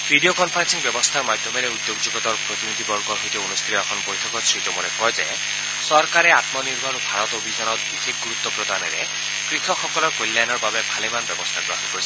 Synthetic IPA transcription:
pɾiɖiokɔmpʰɾensiŋbjɔbɔst̪ʰaɾmad̪ʱjɔmeɾeud̪joɡd͡ʒuɡɔt̪ɔɾpɾot̪inud̪ʱibɔɾɡɔɾɦojt̪iunust̪ʰiɾɔakʰɔnɔbojt̪ʰɔkɔsɾit̪ɔmuɾekɔjd͡ʒe | sɔɾkaɾeat̪mɔniɾbɔnobʱaɾɔt̪obʱid͡ʒɔnɔt̪bixek̚ʰɡuɾut̪ːɔpɾod̪aneɾḛ | kɾit̪ʰɔkʰːɔkɔlɔɾkolːajnɔɾbabepʰalimanbjɔbɔst̪ʰaɡɾɔɦɔnkɔɾi

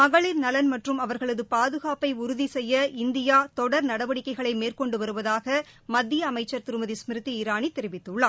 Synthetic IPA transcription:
mɐɣɐɭɪɾnɐlɐnmɐʈrɯmɐʋɐɾɣɐɭɐðɯpaːðɯɣaːpɐɪʊɾʊðisɛjːɐɪnd̪ɪjaːt̪ɔɽɐɾnɐɽɐʋɐɽɪkːɐɪɣɐɭɐɪmeːrkɔɳɖɯʋɐɾɯʋɐðaːɣɐ | mɐd̪ːɪjɐːmɐɪt͡ʃːɐɾt̪ɪɾɯmɐðismɪɾɯt̪ːiɪɾaːnit̪ːɛɾɪʋɪt̪ːɯɭːɐː

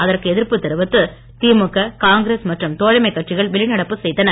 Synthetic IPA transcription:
ɐðɐrkɯɛðɪɾpɯt̪ːɐɾɯʋɐt̪ːɯ | t̪iːmɯkːɐkaːŋɡɾeːsmɐʈrɐmt̪oːɻɐmɐɪkːɐʈt͡ʃɪɣɐɭʋɛɭɪnɐɽɐpːɯsɛjt̪ːɐnɐ

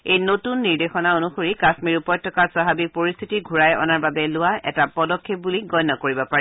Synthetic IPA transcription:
ejnotunːiɹdexɔnaonuxoɹikasmiɹupɔj̚tʰːɔkasaɦabik̚poɹist̪ʰitiɡʱuɹajɔ̰naɹbabɛlʊwaɛ̰tapɔdɔkʰːep̚buliɡɔjnːɔkoɹibɔpaɹɛ

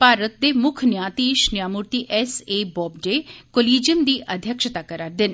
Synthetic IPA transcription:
paːɾət̪̚d̪eːmʊkʰnjaːt̪iːʃnjaːmʊɾt̪iːʔɛːseːbɔːbɖeːkoːliːd͡ʒənd̪iːʔʔəd̪ʱjəkʃət̪aːkəɾaːɾd̪ɪn

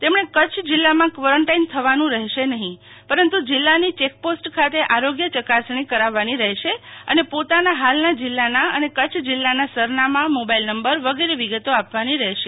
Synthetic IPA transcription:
t̪emɳ̃ekət͡ʃʰd͡ʒɪlːamãkʋəɾəɳʈaint̪ʰəʋanũɾəɦʃenəɦĩ | pəɾənt̪ud͡ʒɪlːanit͡ʃek̚posʈkʰat̪eʔaɾoɡjət͡ʃəkasɳ̃ikəɾaʋːaniɾəɦʃeə̰nepot̪anaɦalnad͡ʒɪlːanaənekət͡ʃʰd͡ʒɪlːanasəɾnamãmobailnəmbəɾʋəɡeɾeʋiɡət̪oapʋaniɾəɦʃe

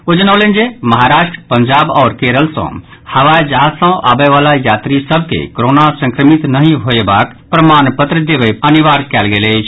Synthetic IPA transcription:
od͡ʒənaʊlend͡ʒeməɦaɾaʃʈɾəpəɲd͡ʒabɔːɾkeɾəlsə̰̃həʋajd͡ʒaɦsə̃ʔa̰beʋalajat̪ɾisəbʱkḛkoɾonasə̃ŋkɾəmit̪nəɦĩɦoebak | pɾəmanpət̪ɾəd̪ebəjəniʋaɾkɛlɡelət͡ʃʰ

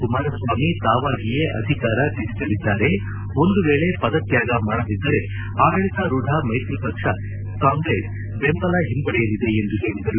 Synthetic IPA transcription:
kumaːɾɐsʋaːmit̪aːʋaːɡijeʔɐ̰d̪ʱikaːɾɐt̪isit̪ɐlid̪ːaːɾe̞ | o̞nd̪uʋeːɭe̞pɐd̪ɐt̪jaːɡɐmaːɽɐlid̪ːɐɾe̞ | aːɡɐɭit̪ɐɾuɖʱaːmɐjt̪ɾipɐkʂɐ | kaːŋɡɾeːs | bempɐlɐɦimbɐɽɛjɐlid̪e̞end̪uɦeːɭid̪ɐɾu

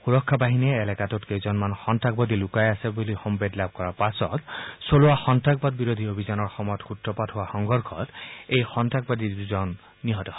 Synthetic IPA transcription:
xuɹɔkʰːabaɦinɛːlɛkatɔtkezɔnmanxɔntak̚bɔd̪ilukajasɛbulixɔmbedlab̚kɔɹapasɔ̰tsolʊwaxɔntʰak̚bɔd̚biɹod̪ʱiobʱizanɔɹxɔmɔjɔtxutɹɔpatɦʊwaxɔŋɡʱɔɹkʰɔ̰tejxɔntʰak̚bad̪iduzɔnː | iɦɔtɔ

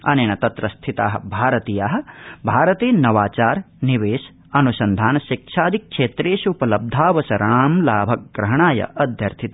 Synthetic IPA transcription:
ɐ̰neːnɐt̪ɐt̪ɾɐst̪ʰit̪a̰ːɦɐ̆bʱaːɾɐt̪iːjaːɦɐ̆bʱaːɾɐt̪eːnɐʋaːt͡ʃaːɾ | niʋeːʃ | ɐnusɐnd̪ʱaːnɐʃik̚ʃʰaːd̪ʱikʃeːt̪ɾeːʃupɐlɐb̚d̪ʱaːʋɐsɐɾaːmlaːbʱɐk̚ɡ̥ɾɐɦɐɳaːjɐ̰ʔɐd̪ʱjɐɾt̪ʰit̪ː

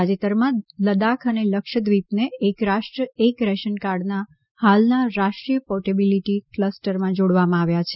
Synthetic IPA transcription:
ad͡ʒet̪əɾmãləd̪akʰəneləkʃəd̪ʋipneːkɾaʃʈɾəekɾɛʃənkaɾɖna | halnaɾaʃʈɾijəpɔʈebiliʈikləsʈəɾmãd͡ʒoɽʋamãaʋjat͡ʃʰe

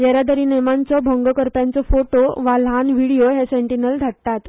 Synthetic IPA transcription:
jeɾad̪əɾiːnemant͡sɔbʱəŋɡəkəɾpjant͡sɔfoʈoʋalɦanʋiɽijoɦesẽɳʈinəld̪ʱaɽt̪at̪

